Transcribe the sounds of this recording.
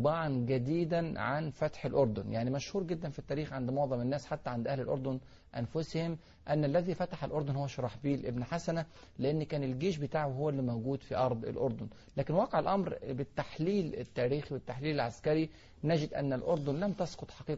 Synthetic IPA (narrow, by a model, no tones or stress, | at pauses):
bɑʕɑnɡæd̪iːd̪ænʕanfæt̪ħelʔoɾˤd̪onjaʕnimæʃhuːɾɡed̪ːænfit̪ːæːɾiːxʕand̪moʕðˤɑmɪnːæːsħat̪ːæʕand̪ʔæhlelʔoɾd̪on | ʔæ̰nfʊshɪm | ʔænːælːæðiːfæt̪aħalʔoɾˤd̪onhowːæʃɑɾˤɑːħbiːlʔebnħasænæ | lɪʔenːkæːnɪlɡeːʃ̬bɪt̪aːʕowhowːælːimæwɡuːd̪fiʔɑɾˤd̪ˤḛlʔoɾˤd̪on | læːkɪnwɑːqeʕelʔɑmɾbɪt̪ːaħliːlɪ̰t̪ːæːɾiːxiwɪt̪ːaħliːlelʕaskæɾi | næd͡ʒɪd̪ʔæ̰nːælʔoɾˤd̪onlæmt̪ɑsqot̪ˤħɑqiːq